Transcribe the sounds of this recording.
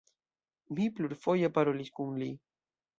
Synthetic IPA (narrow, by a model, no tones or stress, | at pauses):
mipluɾfojapaɾoliskuŋli